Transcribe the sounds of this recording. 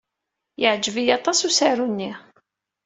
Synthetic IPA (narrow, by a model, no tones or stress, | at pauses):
jəʕd͡ʒəvijɑt̪ˤɑsusaɾunːi